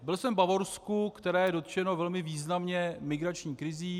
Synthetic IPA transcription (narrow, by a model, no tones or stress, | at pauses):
bɪlsɛmbavo̞ɾskukt̪ɛɾɛːjɛdo̞t̪ʒ̥ɛno̞vɛlmɪviːznamɲɛmɪɡɾat͡ʃɲiːkɾɪziː